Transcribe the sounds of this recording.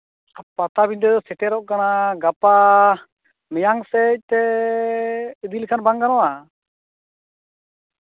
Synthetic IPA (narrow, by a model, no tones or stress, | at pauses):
apat̪abiɲd̪əsɛʈɛɾɔʔkanaɡapa | mɛjaŋsɛc̚ˀt̪ɛ | əd̪ilkʰanbaŋkanɔa